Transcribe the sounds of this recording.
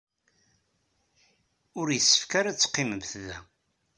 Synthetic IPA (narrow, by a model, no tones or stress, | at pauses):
ʊɾjəsːə̥fkaɾat͡sːə̥qːɪməmθðæ